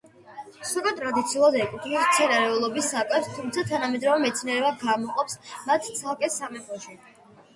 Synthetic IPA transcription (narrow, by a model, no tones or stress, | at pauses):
suɾʼat̪ʼɾad̪it̪sʰiulˠad̪ɛkʼut̪ʰnist̪sʰɛnaɾɛulˠɔbisːakʼɛst̪ʰumt̪sʰat̪ʰanamɛd̪ɾɔvɛmɛt̪sʰnɛɾɛbaɡamɔqʼɔpsmat̪ʰt̪sʰalˠkʼɛsamɛpʰʼɔʃi